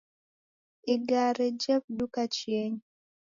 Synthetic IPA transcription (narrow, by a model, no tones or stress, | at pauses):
iɡaɾɛd͡ʒɛp̚dukat͡ʃjeɲ